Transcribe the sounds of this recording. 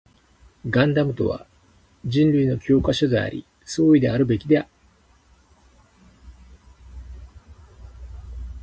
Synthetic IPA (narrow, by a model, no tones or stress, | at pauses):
ɡãnd̪amɯ̟t̪o̞̰βa̰ | d͡ʑĩnɾɯ̟ino̞kʲo̞ːkaɕod̪ea̰ɾʲḭ | so̞ːid̪e̞aɾɯ̟be̞kʲid̪e̞a